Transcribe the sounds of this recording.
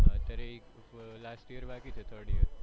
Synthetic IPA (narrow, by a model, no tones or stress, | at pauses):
at̪ɐɾeek | lasʈiəɾʋakit͡ʃʰet̪ʰəɾɖiəɾ